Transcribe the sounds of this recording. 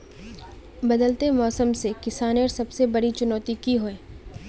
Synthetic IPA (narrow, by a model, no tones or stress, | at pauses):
bɐd̪əlt̪emɔːsəmsekɪsaːnəɾsɐbsebɐɽit͡ʃʊnɔːt̪ikiɦoẽː